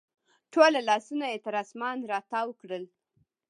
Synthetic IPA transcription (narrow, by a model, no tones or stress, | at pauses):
ʈʰolalɑsunaet̪ɪɾɑsmɑnɾɑt̪ɑwkɽəl